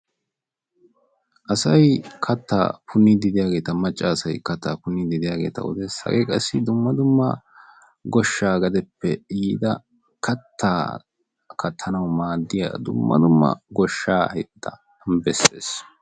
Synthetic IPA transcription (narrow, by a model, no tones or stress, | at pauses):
ʔɐsɐjkʰɐt̪ːa̰ːpʰʊnːɪd̪ɪd̪ɪjaːɡe̞ːt̪ɐmɐt͡ʃʼːɐːsɐjkɐt̪ːaːpʊnːɪd̪ɪd̪ɪjaːɡe̞̰ːt̪ɐ̰ʊ̰d̪ɛsɐ̰ɡɛkʼɐsːɪd̪ʊmːɐd̪ʊmːɐ̰ | ɡɔʃːaːɡɐd̪ɛpːɛjiːd̪ɐ | kʰɐt̪ʰːaː | kʰɐt̪ʰːɐnɐwmaːd̪ːɪja̰ːd̪ʊ̰mːɐ̰d̪ʊmːɐ̰ɡɔʃːaːhɛd̪ːɐ | bɛsḛːs